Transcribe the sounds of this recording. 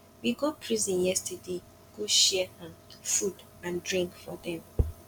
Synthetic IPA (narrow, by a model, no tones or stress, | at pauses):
wiɡɔpʰɹizĩnjɛstəde | ɡ̥oʃɛhãfud | ãndɹĩŋkfɔdɛ̃m